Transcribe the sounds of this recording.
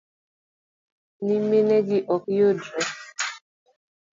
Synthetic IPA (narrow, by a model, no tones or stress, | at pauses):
nimeneɡiʔɔkjodo